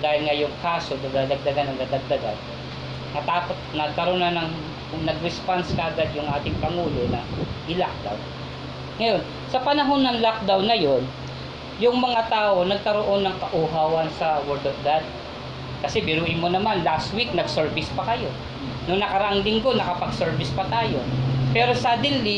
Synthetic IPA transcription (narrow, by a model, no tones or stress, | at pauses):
d̪aːhɪlŋajʊŋkaːso̞d̪ɐd̪aːd̪ɐɡ̚d̪ɐɡanːɐŋd̪ɐd̪ɐɡ̚d̪ɐɡa̰n | kɐt̪aːpot̪̚nɐɡ̚kɐɾo̞nɐnɐŋ | nɐɡɾɛspanskɐʔɐɡad̪jʊŋʔaːt̪ɪŋpɐŋuːlo̞nɐʔɪlak̚d̪a̰w | ŋɐjo̞n | sɐpɐnɐɦo̞nːɐŋlak̚d̪awnɐjo̞n | jʊŋmɐŋat̪aːʔo̞nɐɡ̚kɐɾo̞ʔo̞nːɐŋkɐʔʊɦaːwɐnsɐwɛɹd̪ofɡad̪̚ | kɐsɛbɪɾuːʔɪnmo̞nɐmanlast̪wik̚nɐɡsɛɹbɪspɐkɐjo̞ | nonɐkɐɾɐʔaŋlɪŋɡo̞nɐkɐpɐɡsɛɹbɪspɐt̪aːjo̞̰pɛːɾo̞saːd̪ɪlli